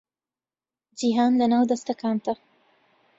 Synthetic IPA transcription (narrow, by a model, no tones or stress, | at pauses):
d͡ʒiɦɑnd̪ənawd̪ast̪akɑnt̪a